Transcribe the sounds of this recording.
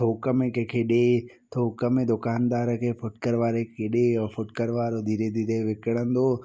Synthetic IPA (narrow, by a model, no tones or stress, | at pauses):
t̪ʰoːkəmẽkekʰeɗe | t̪ʰoːkəmẽd̪ʊkaːnd̪aːɾəkʰeːfʊʈkəɾʋaːɾekeɗefʊʈkəɾʋaːɾod̪ʱiːɾed̪ʱiːɾeʋɪkəɽ̃ə̃nd̪oː